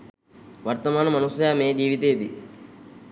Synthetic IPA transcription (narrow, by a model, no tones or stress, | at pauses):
ʋɐɾt̪ɐmaːnɐmɐnusjaːmeːd͡ʒiːʋit̪eːd̪ḭ